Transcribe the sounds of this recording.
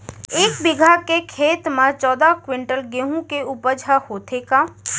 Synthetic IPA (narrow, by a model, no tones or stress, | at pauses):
eːkbɪɡʱakekʰeːt̪mət͡ʃɔːd̪akwɪ̃ɳʈəlɡeɦũkeupəɾd͡ʒʱahoːt̪ʰekaː